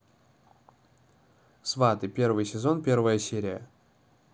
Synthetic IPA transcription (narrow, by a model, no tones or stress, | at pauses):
svat̪ɨpʲe̞rvɨjsʲɪzo̞npʲe̞rvəjəsʲeɾʲɪjə̰